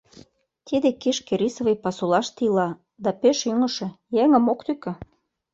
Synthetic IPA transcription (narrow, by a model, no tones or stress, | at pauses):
t̪id̪ekeʃkeɾisovejpɑsulɑʃt̪ilɑ | d̪ɑpøʃyŋə̆ʃĕjeŋə̆mokt̪ykĕ